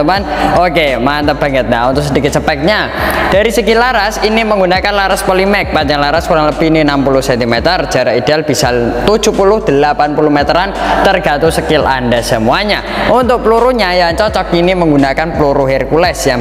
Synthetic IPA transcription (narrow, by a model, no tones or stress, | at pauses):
umanokemant̪əb̥a̤ŋət̪̚naunt̪ʊsədikɪt̪̚t͡ʃəpɛk̚ɲa | d̥aɾisəɡilaɾasiniməŋɡunakanlaɾaspəlimɛk̚paɲd͡ʒaŋlaɾaskuɾaŋləb̥ininampulʊhsɛnt̪imet̪ərd͡ʒ̥a̤ɾaidealb̥isalt̪u̥d͡ʒ̥upulʊhd̥əlapanpulʊhmet̪əɾant̪ərɡ̥a̤t̪usəkɪla̰ndasəmuaɲa | ʔunt̪ʊk̚pluɾuɲajant͡ʃɔt͡ʃɔk̚iniməŋɡunakanpluɾuɦirkulɛsja